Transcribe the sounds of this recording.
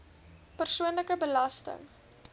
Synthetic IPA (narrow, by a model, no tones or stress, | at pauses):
pərsuənləkəbəlɐstə̰ŋ